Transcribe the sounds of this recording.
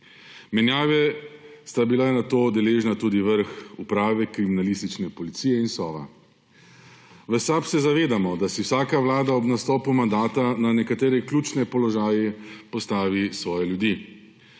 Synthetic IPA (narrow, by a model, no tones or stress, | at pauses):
mɛnjaːʋɛ | st̪abilanat̪oːd̪ɛleːʒnat̪uːd̪iʋəɾxupɾaːʋɛkɾiminalist̪it͡ʃnɛpɔlit̪siːjɛinsɔ̰ːʋa̰ | ʋəsapsɛzaʋeːd̪amɔd̪asiwsaːkaʋlaːd̪aɔbnast̪ɔːpumand̪aːt̪ananɛkat̪eːɾɛklʲuːt͡ʃnɛpɔlɔʒaːjɛpɔst̪aːʋisʋɔːjɛljud̪iː